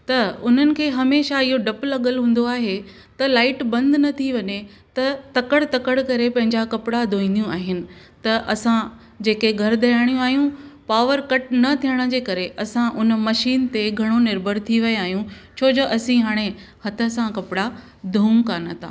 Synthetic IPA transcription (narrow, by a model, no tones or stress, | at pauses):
t̪ɐʊn̤ənɪ̆kʰeːɦɐmeːʃaɪɦoɖɐplɐɠəlɦũːn̆d̪oaːɦe | t̪ɐlaːɪʈbɐ̃nd̪nɐt̪ʰiʋɐɲe | t̪ɐt̪ɐkəɽt̪ɐkəɽkɐɾepɐ̃ɦɪ̃ɲd͡ʑakɐpɪɽad̪ʱoːĩːn̆d̪ijũaːɦɪnɪ̆ | t̪ɐʔɐsã | d͡ʑeːkeɡʱɐɾd̪ɐjaːɽ̃jũaːɦijũpaːʋəɾkɐʈnɐt̪ʰijəɽ̃ə̆d͡ʑeːkɐɾeʔɐsãʔʊnmɐʃiːnt̪eɡʱɐɽ̃onɪɾbʱəɾt̪ʰiʋɐjaːɦijũt͡ɕʰoːd͡ʑoʔɐsĩɦaːɽ̃ehɐt̪ʰə̆sãkɐpɪɽa | d̪ʱuːmkaːnat̪ʰa̰ː